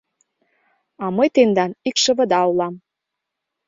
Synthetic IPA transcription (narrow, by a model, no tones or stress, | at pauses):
ɑmɤjt̪end̪ɑnikʃə̆βə̆d̪ɑulɑm